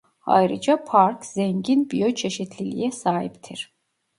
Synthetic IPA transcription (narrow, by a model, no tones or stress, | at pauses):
ha̰jɾɯd͡ʒapʰaɾkz̥ɛɲɟinbijøt͡ʃʰeʃit̪ʰlʲilʲḭjɛsaːɦipt̪ʰiɾ̥